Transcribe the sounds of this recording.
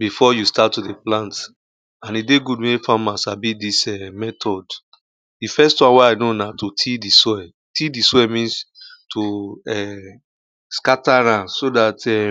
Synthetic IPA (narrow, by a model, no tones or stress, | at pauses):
bifɔjustatːudeplãnt | ãnideɡudmefamasabidisɛmɛtʰɔd | difɛstwãnwaaɪnonatotʰidisɔɛ | tʰidiswɛmĩnstʰoɛ | skataɹãsodatɛ